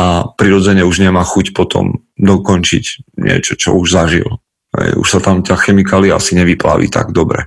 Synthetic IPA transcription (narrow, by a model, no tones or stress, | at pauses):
apɾiɾɔd͡zɛɲɛuʒɲɛmaːxucpɔt̪ʰɔ̰m | d̪ɔkɔnt͡ʃḭcɲɪɛ̰t͡ʃɔt͡ʃɔ̰uʒzaʒḭl | ɦɛ̰jṵʃsat̪amt̪axɛmikaːliaa̰siɲɛʋipla̰ːʋḭt̪a̰ɡd̪ɔbɾɛ̰